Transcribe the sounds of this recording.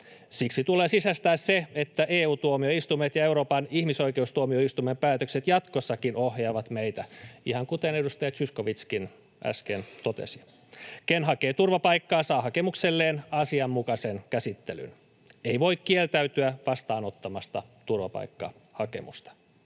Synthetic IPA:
siksit̪uleːsisæst̪æːsseet̪ːæʔeːuːt̪uomioist̪umet̪jɑeuɾo̞ːpɑnihmiso̞ikeust̪uomioist̪umempæːt̪økset̪jɑt̪kosːɑkinohjɑːʋɑt̪meit̪æihɑŋkut̪ene̞dust̪ɑjɑsyskoʋit̪skin | ʔæ̰skḛnt̪ot̪ḛsi̥ | kenɦɑkeːt̪urʋɑpɑikːɑːsɑːhɑkemukselːeːnɑsiɑmːukɑsenkæsit̪ːely̰n | eiʋoikkielt̪æyt̪yæʋɑst̪ɑːnot̪ːɑmɑst̪ɑt̪urʋɑ̰pɑ̰ikːɑ̰ | hɑkḛmṵst̪ɑ̥

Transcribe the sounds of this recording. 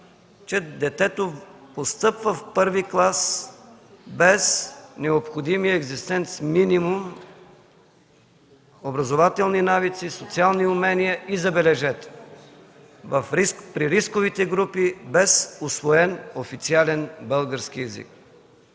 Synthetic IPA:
t͡ʃɛd̪ɛt̪ɛt̪opost̪ɤpvəfpɤɾviklˠas | bɛsnɛopxod̪imijəɛɡzist̪ɛnt̪sminimum | obɾɐzovat̪ɛlˠninavit̪sisot̪sialˠniʊmɛniəʔizɐbɛlɛʒɛt̪ | vɐfɾikpɾiɾiskovit̪ɛɡɾupibɛsʊsvoɛnofit̪sialɛnbɤlˠɡəɾsk̟iɛzḭk̚

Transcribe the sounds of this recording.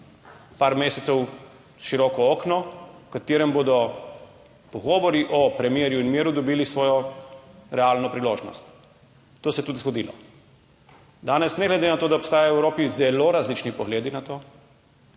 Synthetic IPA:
paːɾmeːsɛt̪sɛw | ʃiɾɔkɔoːknɔkat̪eːɾɛmbod̪ɔ | pɔɡɔːʋɔɾiʔɔpɾɛmjeːɾjuinmjeːɾud̪ɔbiːlisʋɔːjɔ | ɾɛalnɔpɾiloːʒnɔ̰st̪ː | oːsɛjɛt̪uːd̪izɡɔd̪iːlɔ̰ | d̪aːnɛsnɛɡlɛd̪enat̪oːd̪aɔpst̪aːjaɔwɛwɾoːpizɛloɾazliːt͡ʃnipɔɣleːd̪inat̪oː

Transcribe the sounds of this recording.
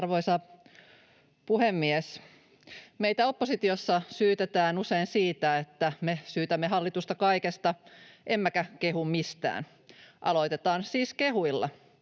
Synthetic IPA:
rʋojsɑ | puɦemːies | mejt̪æo̞pːosit̪iosːɑsyːt̪et̪æːnuseinsiːt̪æet̪ːæmesyːt̪æmːeɦɑlːit̪ust̪ɑkɑjkest̪ɑʔemːækæke̞ɦummist̪æ̰ːn | ʔɑ̰lo̞jt̪e̞t̪ɑːnsiːskeɦuilːɑ̰

